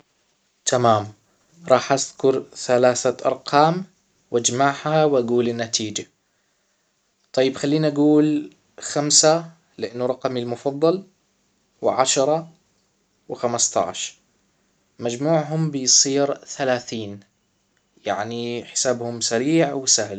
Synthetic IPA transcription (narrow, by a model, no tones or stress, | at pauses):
t̪ʰamaːm | ɾˤɑːħʔað̥kʊɾθalaːθaʔɑ̰ɾˤqʰɑːm | wʔad͡ʒmaʕhawʔaɡuːlɪnːat̪iːd͡ʒa | t̪ˤɑjːɪbxalːiːnʔaɡuːl | xamsa | lɪʔanːuɾˤɑqɑmilmʊfɑðˤːɑl | wʕaʃɾˤɑ | wɪxamast̪ɑ̰ʕʃ | mad͡ʒmuːʕɦʊmbɪjsˤiːɾθalaːθiːn | jaʕniħɪ̥saːbhʊmsaɾiːʕwɪsahl